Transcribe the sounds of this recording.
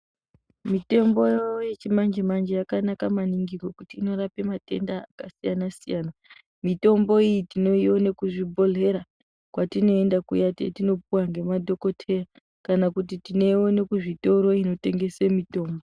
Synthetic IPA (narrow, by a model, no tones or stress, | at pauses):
mite̞mbo̞jojet͡ʃimand͡ʒemand͡ʒejakanakamaniŋɡiko̞kutiːno̞ɾape̞mate̞̰ndaːkasijanasijana | mito̞mbo̞ijitino̞io̞ne̞kuʐibʱo̞ɮe̞ɾa | kwatino̞e̞ndakṵjatḛtino̞puwaŋɡe̞madʱo̞ko̞tʰe̞ra | kanakut̬itine̞wo̞ne̞kuʐito̞ɾo̞ino̞te̞ŋɡe̞semito̞ːmbo